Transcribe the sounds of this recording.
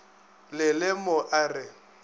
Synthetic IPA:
lɪlɪmʊʔarɪ

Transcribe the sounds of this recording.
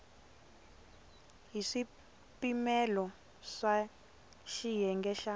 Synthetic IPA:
ɦiʂi | pimɛlɔ | ʂa | ʃijɛŋɡɛʃa

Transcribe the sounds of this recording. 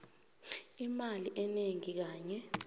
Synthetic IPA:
imaliʔɛneŋik̬aːɲɛ

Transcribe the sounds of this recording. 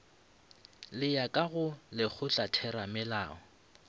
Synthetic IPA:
lɪjakʼaɣʊlɪk͡xʰʊt͡ɬʼatʰɛɾamɪla̰ːɔ

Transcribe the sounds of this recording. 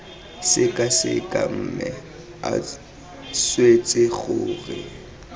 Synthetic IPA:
sɪkʼasɪkʼa̰m̩ːmɛ | a̰ | swet͡sʼɪɣʊːrɪ

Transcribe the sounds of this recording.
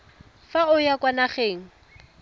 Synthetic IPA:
faʊjakwanaχeːŋ̩

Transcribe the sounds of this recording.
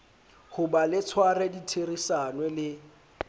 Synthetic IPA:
hʊbalɪt͡sʰwarɛditʰerisanwɛlɪ

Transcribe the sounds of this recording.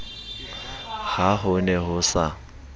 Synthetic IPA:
haɦʊnɛɦʊsa

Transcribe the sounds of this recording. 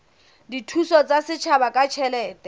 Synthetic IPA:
ditʰusɔt͡sʼasɪt͡ʃʰabakʼat͡ʃʰɛlɛːtʼɛ

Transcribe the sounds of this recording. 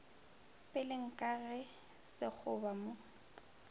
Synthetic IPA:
pʼɪlɪŋ̩kʼaɣɛ | sɪk͡xʰʊbamo

